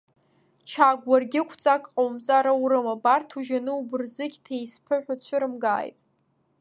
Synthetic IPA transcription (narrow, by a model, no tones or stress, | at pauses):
t͡ʃʰaɡʷarɡʲɪkʷʰt͡sʼakʼqʼowmt͡sʼaɾauɾɨmabartʰuʒanɨubɨrzɨɡʲtʰejspʰɨħʷᶣat͡ɕʷʰʊɾɨmɡa̰ːjtʼ